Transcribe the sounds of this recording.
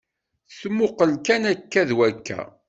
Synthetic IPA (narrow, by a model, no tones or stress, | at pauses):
θmːʊqəlkænækːæðwækʰːæ̰